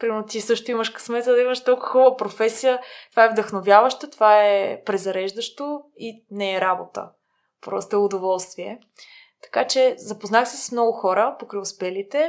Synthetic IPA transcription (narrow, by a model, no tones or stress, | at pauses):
pɾimɛɾnot̪isɤʃt̪oiməʃkɐ̥smɛzəd̪ɐiməʃt̪ɔlˠkʊ̥xɔbəpɾofɛsijət̪ovaɛvd̪əxnovʲjavəʃt̪ət̪ovaɛpɾɛzɐɾɛʒd̪əʃt̪oinɛːɾabo̰t̪ə̰ | pɾɔ̰st̪oɛʊd̪ovɔlˠst̪viɛ | t̪ɐ̥kat͡ʃɛzɐpoznaxsisə̥smnɔɡʊxɔɾəpokɾɛjʊspɛlit̪ɛ